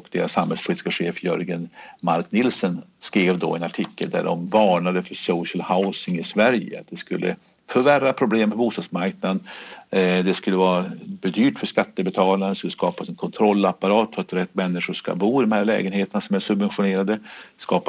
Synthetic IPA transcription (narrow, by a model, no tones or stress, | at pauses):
kd̪̥ḛːɾasːamhɛlspʰʊliːt̪ɪ̥skaɧeːfjœ̰ɾɡənmaɾknɪlsənskɾeːvd̪ɔ̰ɛnaʈʰɪkːəld̪æ̰ɖɔ̰mvɑːɳad̪əfœsɔʊɕəlhaʊsɪŋɪsvæɾjə̰a̰t̪̚d̪ɛskɵlːʔə̰ | fœɾværapʰɾʊbleːmpʰɔbuːst̪ɑːd̪smaɾk̚nad̪ | d̪ɛskɵlːəvɑːɾabɛd̪yːʈfœʂkat̪ːəbɛt̪ʰɑːlaɾənskɵlːəskɑːpasɛnkʰɔnt̪ʰɾɔlːapaɾɑːt̪fœɾat̪ɾɛt̪ːmɛnːɪʂʊʂka̰buːɪd̪ɔmhæɾlɛ̰ːɡənheːt̪ənasɔmæsɵbvɛnɧʊneːɾad̪əskɑːp